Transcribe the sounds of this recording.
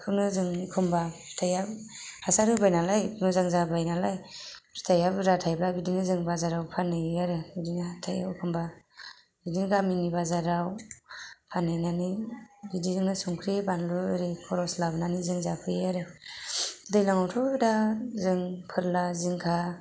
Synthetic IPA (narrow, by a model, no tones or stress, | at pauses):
kʰɯnɯzɯŋkʰɯmbapʰɾi̥tʰajab | hasaɾʰɯbajnalajpʰɯzaŋzabajnalajpʰɾi̥tʰajabɾatʰajblabidinɯzɯŋbazaɾawpʰanɯjaɾɯbɯdinaatʰaja̰wkʰɯmba | bidiŋɡaminibazaɾaw | pʰanɯjnanibidizɯŋnɯsuŋkʰɾebanlɯɾekʰɔɾɔslabnanizɯŋzapʰɯjaɾɯ | dɯjlaŋawtʰɔdazɯŋpʰɯɾlaziŋkʰa